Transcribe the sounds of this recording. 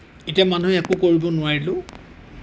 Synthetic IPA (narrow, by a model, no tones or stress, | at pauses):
etiamanuɛkʊkoɹibɔnʊwaɹilʊ̃